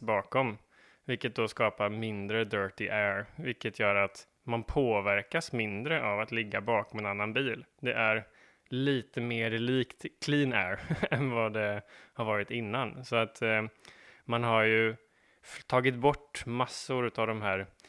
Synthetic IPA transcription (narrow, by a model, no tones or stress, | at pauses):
bɑːkɔm | vɪlkːət̪̚d̪oskɑːpaɾmɪnd̪ɾəd̪œːʈɪʔæːɾvɪlkːət̪ʰjœːɾat̪ | manpʰoːvæɾkasmɪnd̪ɾəʔavat̪lɪɡːabɑːkɔmɛnanːanbiːld̪ɛʔæɾ | liːt̪əmeːɾliːkt̪kʰliːnɛːɾɛnvad̪ɛhaɾvɑːɾɪt̪ɪnːansɔat̪ | manɦaɾjɵ | t̪ʰɑːɡɪt̪bɔʈːmasːʊɾʉ̟ːt̪avd̪ɔmɦæːɾ